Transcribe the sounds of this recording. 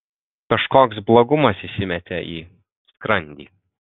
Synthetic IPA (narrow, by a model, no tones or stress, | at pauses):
kɐʃkoːksblˠoɡʊmɐsisʲɪmʲɛt̪ʲɛʔiː | skɾɐnʲd̪ʲḭː